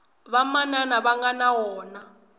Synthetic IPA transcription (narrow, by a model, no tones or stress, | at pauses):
βamananaβaŋɡanawɔːna